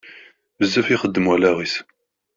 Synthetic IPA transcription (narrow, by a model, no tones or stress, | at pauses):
vəzːæfiχəd̪ːəmwælæʁis